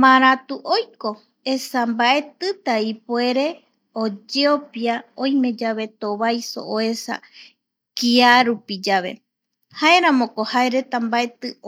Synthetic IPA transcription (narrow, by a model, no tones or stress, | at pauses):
mãɾat̪uʔojko̞ | esambaʔe̞t̪ɨt̪aipoe̞ɾe̞ | od͡ʒeopiaõj̃mẽ̞d͡ʒaβe̞t̪oβajso̞̰ʔoe̞sa̰ | kiaɾupid͡ʒaβe̞̰ | hae̞ɾãmõ̞kohae̞ɾe̞t̪ambaʔe̞t̪ɨ